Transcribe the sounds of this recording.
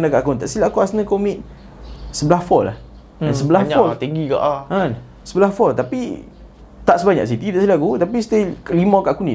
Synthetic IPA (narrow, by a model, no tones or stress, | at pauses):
ənakaʔkunt̪aʔsilaʔkuasnãkomĩt̪̚ | səbəlahfɔla̰h | ɛ̃nsəbəlafɔlt̪iŋɡika̰ʔʔan | səbəlafɔlt̪api | t̪aʔsəbaɲa̰ks̬it̪it̪aʔsilaʔkut̪ap̬ist̪elimãkaʔkunĩ